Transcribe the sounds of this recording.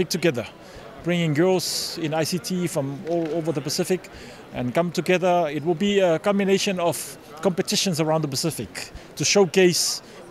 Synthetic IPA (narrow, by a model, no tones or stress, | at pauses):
ɪk̚tuɡɛðə | b̥ɹɪ̃ŋɪ̃ŋɡɜlsɪ̃naɪsitʰifɹɔ̃movəðəpəsɪfɪk | ʔɛ̃nkãmtuɡɛðəɪt̬̚wɪlˠbiəkɔ̃mbineʃə̃nɔv̥ | kɔ̃mpətɪʃə̃nsəɹãʊ̃ndðəpəsɪfɪktuʃoʊkes